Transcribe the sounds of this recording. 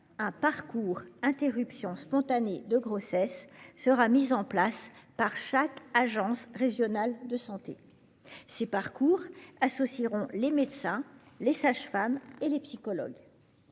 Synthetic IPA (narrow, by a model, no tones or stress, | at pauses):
ɛ̃paʁkuʁɛ̃t̪eʁypsjɔ̃spɔ̃t̪aned̪əɡʁosɛsːəʁamizɑ̃plaspaʁʃakaʒɑ̃sʁeʒjɔnald̪əsɑ̃t̪e | sepaʁkuːʁasɔsiʁɔ̃lemed̪sɛ̃ | lesaʒfamelepsikɔlɔ̰ɡ